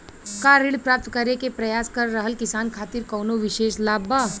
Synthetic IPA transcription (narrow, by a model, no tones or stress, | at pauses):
kaːɾɪɽpɾaːp̚t̪kɐɾekepɾɐjaːskɐɾːɐɦəlkɪsaːnkʰaːt̪iɾkɔːnoʋɪʃeːʃlaːbaː